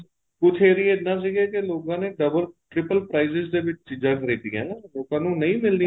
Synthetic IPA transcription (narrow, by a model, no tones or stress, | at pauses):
kʊt̪ʰeːɾiːɪt̪nãːs̬iːɡɛːkeloːkãːneːɖəbəlʈɾɪpəlpɾaːizɪzd̪eːʋɪt͡ʃt͡ʃiːzãːkəɾiːd̪iːɛ̰̃ːloːkãːnũːnəĩːmɪld̪i